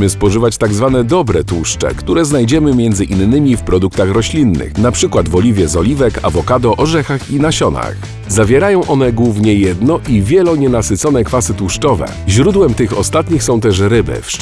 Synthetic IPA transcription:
mɘspɔʐɘvat͡ɕt̪aɡzvanɛd̪ɔbɾɛt̪uʂt͡ʂɛ̰kt̪uɾɛznajd͡ʑɛmɘmʲjɛnd̪zɘʔinːɘmʲifpɾɔd̪uk̚t̪axɾɔɕlʲinːɘ̰xnapʂɘkwad̪vɔlʲivʲjɛzɔlʲivɛka̰vɔkad̪ɔʔɔʐɛxaxinaɕɔna̰x | zavʲjɛɾajɔ̃w̃ʔɔn̪ɛɡwuvɲɛjɛd̪nɔʔivʲjɛlɔɲɛnasɘt̪sɔn̪ɛkfasɘt̪uʂt͡ʂɔvɛ̰ | ʑɾud̪wɛmt̪ɘxɔst̪at̪ɲixsɔ̃w̃t̪ɛʂɾɘbɘ̰fʂ

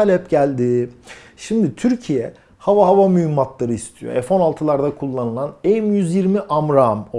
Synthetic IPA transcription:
alʲɛpɟælʲd̪iː | ʃimd̪it̪ʰyɾcʰijɛ | havaɦavamyjymːat̪lˠaɾɯist̪ʰijo̰ɛ̰fo̞nalˠt̪ʰɯlˠaɾd̪akʰulˠːanɯlˠanɛjmjyzjiɾmiʔamɾamo

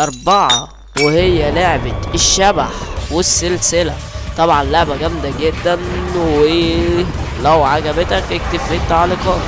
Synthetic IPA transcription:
ʔɑɾˤbɑʕɑ | wehejːæleʕbet̪eʃːæbaħwesːelselæ | t̪ˤɑbʕɑnloʕbæɡæmd̪æɡed̪ːænwe | læwʕaɡæbet̪ækʔek̚t̪efːet̪ːʕalekɑː

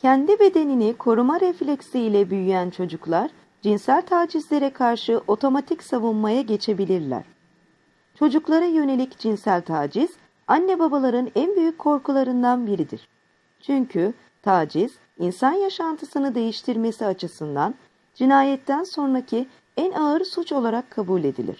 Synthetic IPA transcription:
cʰɛnd̪ibe̞d̪e̞ninikʰo̞ɾumaɾeflʲeksijlʲɛbyjyjænt͡ʃʰo̞d͡ʒuklˠaɾ̥ | d͡ʒinsælʲt̪ʰaːd͡ʒizlʲe̞ɾɛkʰaɾʃɯʔo̞t̪ʰo̞mat̪ʰicsavunmajaɟe̞t͡ʃʰe̞bilʲiɾlʲæ̰ɾ̥ | t͡ʃʰo̞d͡ʒuklˠaɾajø̞ne̞lʲicd͡ʒinsælʲt̪ʰaːd͡ʒiz̥ | anːɛbabalˠaɾɯnænbyjycʰːo̞ɾkulˠaɾɯnd̪anbiɾid̪ḭɾ̥ | t͡ʃʰyɲcʰy | t̪ʰaːd͡ʒiz̥ | insanjaʃant̪ʰɯsɯnɯd̪e̞jiʃt̪ʰiɾme̞siat͡ʃʰɯsɯnd̪an | d͡ʒinaːjɛt̪ʰːænso̞nɾacʰi | ænaɯɾsut͡ʃo̞lˠaɾakʰːabulʲe̞d̪ḭlʲḭɾ̥

